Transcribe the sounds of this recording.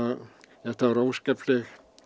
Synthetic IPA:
ɛht̪aaɾoːwskɛplɛx

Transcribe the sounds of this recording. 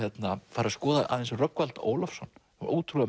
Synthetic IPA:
ɛt̪nafaɾaskɔːðaʔa̰ðɛnsʏrœkvalt̪o̰ːwlafsɔnː | ɾʔo̰ːwt̪ʰɾua

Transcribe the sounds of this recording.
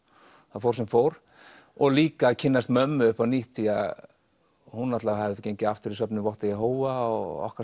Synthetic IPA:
θaðfowɾsɛmfowɾ̥ | ɔɣliːkacʰɪnːast̪mœmːʏʏhpaniht̪ia | hunːat̪lavahavðɪcejɲcɪaft̪ɪɾisœpnʏvɔht̪ajɛɦoːwvaɔɣɔ̰hka

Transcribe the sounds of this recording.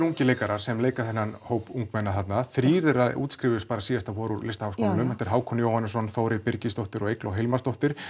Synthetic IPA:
ɾuŋcɪleːjkaɾaɾ̥sɛmleːjkaθɛnːanhoːwpuŋkmɛnːaθat̪naðθɾiːɾðɛɾaʔṵːt̪skɾɪːvɪʏspaːɾasiːðast̪afɔːɾuɾlɪst̪ahawskowlnʏmhɛt̪ɛɾɦaːwkʰɔnɪjoːwhanːɪsɔnθoːwɾɪpɪɾcɪst̪owht̪ɪɾɔɣejklɔɦelmast̪oht̪ɪɾ̥

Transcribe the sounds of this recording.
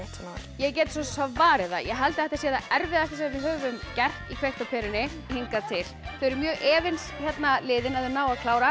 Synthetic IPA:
sna | jɛɣc̬ɛːt̪sɔsavaːɾɪða̰jɛɦalt̪ɪθɛht̪asjɛːðaɛɾvɪðast̪ɪsɛvɪðɦœːvʏmcɛr̥t̪ikʰvejht̪ɔpʰɛːɾɪnɪ | hiŋkat̪ʰɪlθœɾʏɾmjœːɣʔɛːvɪnsçɛt̪nalɪːðɪnaððʏmnaːwakʰlaːwɾa

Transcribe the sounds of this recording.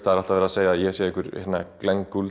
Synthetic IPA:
t̪aðɾal̥t̪avɛːɾaseːjaːðjɛsjɛikʏɾhɛnːa̰klɛŋkul

